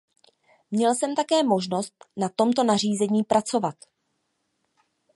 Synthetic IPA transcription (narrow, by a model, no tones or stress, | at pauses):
mɲɛlsɛmt̪akɛːmo̞ʒno̞st̪nat̪o̞mt̪o̞nar̝iːzɛɲiːpɾʔat͡so̞vat̪